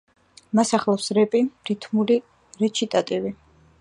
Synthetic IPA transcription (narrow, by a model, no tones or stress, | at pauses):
masaχlˠafsɾɛpʼiɾit̪ʰmuli | ɾɛt͡ʃʰit̪ʼat̪ʼivi